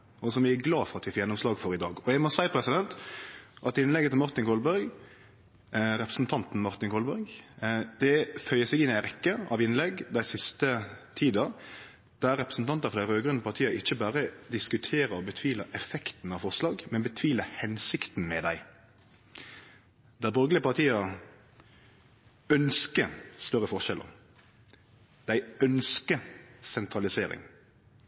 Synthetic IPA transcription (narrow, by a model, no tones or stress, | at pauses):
ɔsɔmʋɪæɡlɑːfɔɾɑt̪ʋɪfɔɾjɛnːɔmslɑːɡfɔɾɪd̪ɑːɡɔjɛɡmɔsæɪpʰɾɛsɪd̪ɛnt̪ʔɑt̪ɪnlɛɡət̪ɪlmɑɾt̪ɪŋkʰɔlbœɾɡ | ɾɛpɾəsn̩t̪ʰɑnt̪n̩mɑɾt̪ɪnkʰɔlbœɾɡd̪̥ɛfœʏəsɛɡɪnɪæɪɾɛkːəɑʋɪnlɛɡd̪æɪsɪst̪ət̪ʰiːd̪ɑ | d̪̥ææɾɛpɾəsn̩t̪ʰɑnt̪əfɔɾd̪æɪɾøːɡɾʉnpɑʁt̪ʰiːɑʔɪçːəbæːɾəd̪ɪskʉt̪ʰeːɾəɔbət̪ʰʋiːləʔɛfɛkt̪n̩ɑʋfɔʁslɑːɡmɛnbət̪ʰʋiːləhɛnsɪkt̪n̩mɛd̪æɪ | d̪æbɔɾɡəlɪəpɑʁt̪ʰiːə | œnskəst̪œɾːəfɔʁʃɛlʔə̰ʁ | d̪̥æɪœnskəsɛnt̪ʰɾɑlɪseːɾɪ̰ŋ